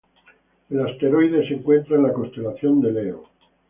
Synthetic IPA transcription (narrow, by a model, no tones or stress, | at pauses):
last̪e̞ɾojðe̞seŋkwe̞nt̪ɾanlakonst̪e̞laθjo̞nd̪e̞leo̰